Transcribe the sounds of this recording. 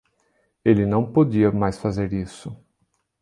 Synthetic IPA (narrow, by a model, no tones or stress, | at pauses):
elɪnɐ̃w̃podiɐmajsfazeɾisʊ